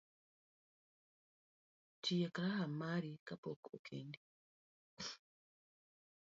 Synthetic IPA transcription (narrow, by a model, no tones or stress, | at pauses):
tʰijakaɾaɦamaɾikapokokʰendi